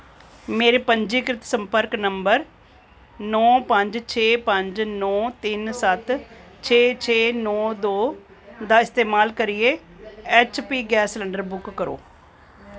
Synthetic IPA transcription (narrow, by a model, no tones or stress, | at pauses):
meːɾeːpəɲd͡ʒiːkɾɪt̪səmpəɾknəmbəɾ | nɔːpəɲd͡ʒt͡ʃʰeːpəɲd͡ʒnɔːt̪ɪnsət̪ | t͡ʃʰeːt͡ʃʰeːnɔːd̪oː | d̪aːɪst̪eːmaːlkəɾɪeː | ɛːt͡ʃpiːɡɛːslɛɳɖəɾbʊkːəɾo̰ː